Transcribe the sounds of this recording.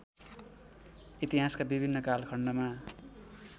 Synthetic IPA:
it̪iɦaskabibʱinːʌkalkʰʌɳɖʌma

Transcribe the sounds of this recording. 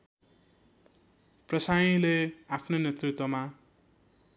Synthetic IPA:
prʌsajĩleapʰnonet̪rit̪wʌma

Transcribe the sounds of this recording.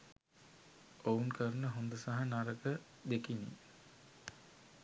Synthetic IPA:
ouŋkəɾənəɦond̪əsaɦanaɾəɡə | d̪ekinḭ

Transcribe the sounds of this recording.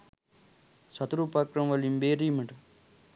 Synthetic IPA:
sɐt̪ɾupakɾɐmʋɐlimbeːɾimɐʈ

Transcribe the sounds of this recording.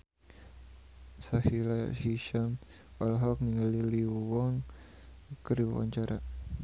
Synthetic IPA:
sahilaa̰ʔʃiʃam | ɔlɦɔk̚niŋaliliwɔŋ | kəɾiwa̰ɲt͡ʃaɾa

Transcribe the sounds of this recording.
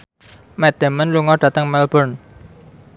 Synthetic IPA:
mɛd̪̥ə̤mənluŋɔɖ̥ä̤t̪əŋmɛlbɔrn

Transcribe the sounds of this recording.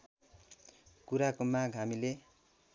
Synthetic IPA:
kuɾakomaɡʱɦamile

